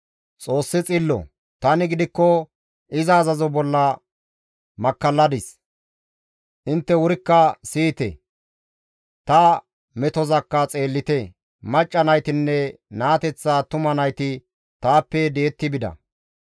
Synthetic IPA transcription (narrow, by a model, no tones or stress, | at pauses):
t͡sʼo̞ːsːɪt͡sʼɪlːɔ̰ | t̪ɐnɪɡɪd̪ɪkːɔ | ʔɪzɐːzɐzɔbɔlːɐ | mɐkːɐlːɐd̪ɪs | ʔɪnt̪ːɛwʊɾɪkːɐsiːt̪ɛ̰ | t̪ɐ | mɛt̪ɔzɐkːɐt͡sʼe̞ːlːɪt̪ɛ | mɐt͡ʃʼːɐnɐjt̪ɪnːɛnaːt̪ɛt͡sːaːt̪ʊmɐnɐjt̪ɪ | t̪aːpːɛd̪eːt̪ːɪbɪd̪ɐ̰